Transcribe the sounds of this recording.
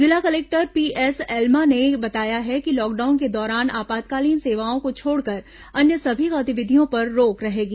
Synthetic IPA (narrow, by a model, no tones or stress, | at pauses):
zɪlakɐleːk̚ʈəɾpiːʔɛːsɛːlmanebɐt̪aːjaɦɛkilɔːk̚ɖaːʊnked̪ɔːɾaːnaːpaːd̪̚kaːliːnseːʋaːõkot͡ʃʰoːɽkɐɾ | ɐnjəsɐbʱikaːt̪ɪʋɪd̪ʱijõpɐɾːoːkɾɐɦeːɡiː